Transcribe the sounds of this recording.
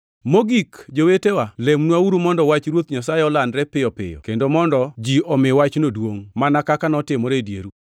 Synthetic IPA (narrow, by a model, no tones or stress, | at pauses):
moɡikd͡ʒowetewalemnwauɾumɔndɔwat͡ʃɾwot̪̚ɲasaɛɔlandɾɛpɪjɔpɪ̰jɔ̰kendomɔndɔd͡ʒiɔmɪwat͡ʃnodwoŋmanakakanɔtɪmɔɾedjḛɾu